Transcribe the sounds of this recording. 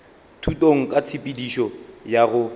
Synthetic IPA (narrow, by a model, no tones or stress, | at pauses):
tʰutʼoŋ̩kʼat͡sʰipʼidiʃɔjaɣʊ